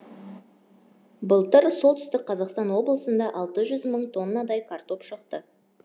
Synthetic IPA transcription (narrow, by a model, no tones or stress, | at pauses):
bəlˠt̪əɾso̞lˠt̪ʰʏ̥st̪ɪk̚qʰɑzɑqst̪ɑnwo̞blˠəsənd̪ɑʔɑlˠt̪əʒʏzməɴt̪ʰo̞nːɑd̪ɑjkʰart̪o̞pʃəqt̪ə